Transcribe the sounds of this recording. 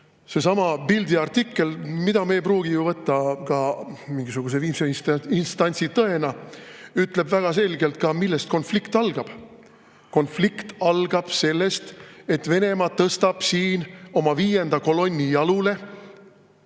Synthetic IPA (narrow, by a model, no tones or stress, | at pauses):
se̞sɑmɑpild̪iɑrt̪ikːe̞lmid̪ɑmejpɾuːɡ̥ijuvɤt̪ːɑkɑmiŋɡisuɡ̥us̬eviːmseiinst̪ɑnʲt̪sit̪ɤe̞nɑyt̪ˑle̞bvæɡ̥ɑse̞lɡ̥elt̪̚kɑmilːest̪̚ko̞nflikt̪ɑlɡ̥ɑb̥ | ko̞nflikt̪ɑlɡ̥ɑb̥se̞lːe̞st̪e̞t̪ve̞ne̞mɑt̪ːɤst̪ɑb̥siːno̞mɑviːje̞nd̪̥ɑko̞lo̞nʲːijɑlule̞